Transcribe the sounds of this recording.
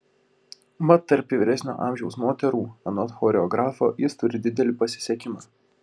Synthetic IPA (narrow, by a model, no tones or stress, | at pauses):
mɐt̪ːɐɾʲpʲiʋʲɪɾʲɛsʲnʲo̰ːʔɑ̰ːˑmʲʒʲɛʊsmoːt̪ʲɛɾuːɛnɔt̪xɔːɾʲɛɔɡɾʔɑːfoːjɪst̪ʊɾʲɪd̪ʲɪd̪ʲɛlʲɪpɐsʲɪ̥sʲɛkʲɪmɑː